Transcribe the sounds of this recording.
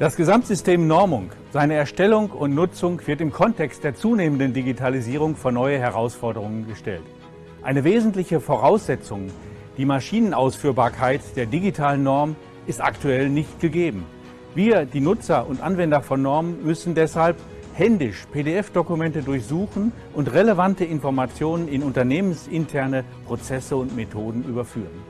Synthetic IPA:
d̥asɡ̥əzamtz̥ʏsteːmnɔɐmʊŋ | z̥aɪnəɛɐʃtɛlʊŋkʊntnʊt͡sʊŋv̥ɪɐtɪmkʰɔntʰɛkst̚d̥eːɐt͡suːneːməndəndiɡitʰaliziːʁ̞ʊŋfoːɐnɔʏəɦɛʁ̞aʊsfɔɐdəʁ̞ʊŋənɡəʃtɛ̰lt | ʔaɪnəveːzn̩tlɪçəfoʁaʊsz̥ɛt͡sʊŋ | d̥iːmaʃiːnənʔaʊsfyːɐbaːɐkʰaɪtd̥eːɐdiɡitʰaːlənːɔɐmən | ɪstʔa̰ktuɛlnɪçt̚ɡ̥əɡeːbm̩ | viːɐdiːnʊt͡sɐʔʊntʔanvɛndɐfɔnːɔɐmənmʏsn̩dɛshalp | hɛndɪʃpʰeːdeɛfd̥okumɛntədʊɐçz̥uːxn̩ | ʔʊntʁeləvantəɪnfɔɐmat͡sjoːnənɪnʊntɐneːmənsɪntʰɛɐnə | pʁ̥ot͡sɛsəʊntmetʰoːdn̩ʔyːbɐfy̰ːʁən

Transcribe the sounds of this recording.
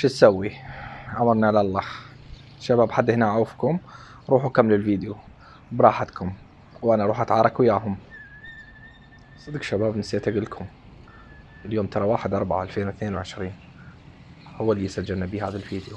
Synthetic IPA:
ʃit̪sawːiʔamɑɾˤnaalalˤːɑː | ʃabaːbħad̪ːhɪnaʕawfkʊm | ɾˤuːħukamːlɪlviːd̪ju | bɾˤɑːħat̪kʊm | wʔanaʔɾˤuːħʔat̪ʕɑːɾˤɑkwjaːɦʊm | sˤɨd̪kʃabaːbnɪsat̪aɡɪlkʰʊm | ɪljoːmt̪ʰɑɾˤɑwaːħɪd̪ʔɑɾˤbaʕaʔalfeːnwɪθneːnwʕɪʃɾiːn | hʊwːalːisad͡ʒːɪlnabiːhaːðalviːd̪ju

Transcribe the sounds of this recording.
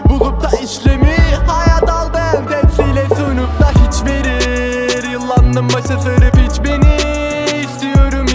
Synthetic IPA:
bulˠup̚t̪ʰaiʃlʲemihajad̪alˠbænt̪ʰɛmsijlʲɛsunup̚t̪ʰaɦit͡ʃbiɾiɾjɯlˠːand̪ˠɯmbaʃɯsɯɾɯpit͡ʃbeniː | st̪ʰijo̞ɾum

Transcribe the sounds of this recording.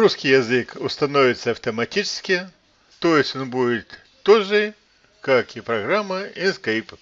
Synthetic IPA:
ɾuskʲijɐzɨkʊst̪ɐnovʲɪt̪səɐft̪əmɐtʲit͡ʃɪ̥skʲɪ | t̪ojɪsʲtʲonbudʲɪt̪ː | oʐɨ | kakipɾɐɣɾamːəinskɐjp

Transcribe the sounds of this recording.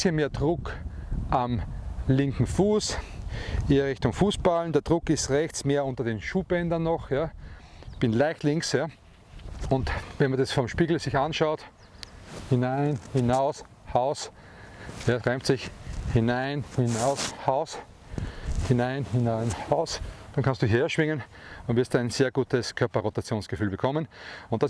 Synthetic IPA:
sçənmeːɐdʁʊkʔamlɪŋkŋ̩fuːs | ʔeːɐʁɪçtʊŋfuːsb̥alndɛɐd̥ʁʊkɪstʁɛçt͡smeːɐʊ̃ntɐdeːnʃuːb̥ɛndɐnːɔxja | b̥ɪnlaɪçtlɪŋksja | ʊntvɛnmɐdɛsfɔmʃpiːɡl̩sɪçanʃaʊt | hɪnaɪnhɪnaʊs | haʊs | jaʁaɪmtsɪçhɪnaɪnhɪnaʊshaʊs | hɪnaɪnhɪnaɪnhaʊsd̥ankʰãnstd̥uːɦeːɐʃv̥ɪŋən | ʊntvɪɐstd̥uːaɪnseːɐɡuːtəskʰœɐpɐʁotat͡sjoːnsɡ̥əfyːlbəkʰɔmənʊ̃nt̚d̥as

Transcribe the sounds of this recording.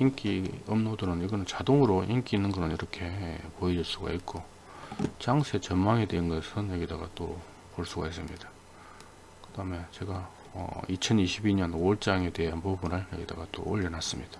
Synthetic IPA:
iŋk͈iʌmnodɯnɯniɡʌnɯnt͡ɕadoŋɯɾoʔiŋk͈iːnːɯnɡʌnɯniɾʌkʰe̞poed͡ʑiɭs͈uɡa̰it̚k͈o | t͡ɕaŋsʰet͡ɕʌnmaŋedeɯnɡʌsʰɯnjʌɡidaɡa̰t͈o | poɭs͈uɡais͈ɯmɲida | kɯd̥aɯme̞t͡ɕe̞ɡa | ʌ̰it͡ɕʰʌniɕʰibiɲʌnoɭt͡ɕ͈aŋe̞de̞eɦanpubunɯɭjʌɡida̰ɡat͈o̰oʎːʌnas͈ɯmɲid̥ḁ

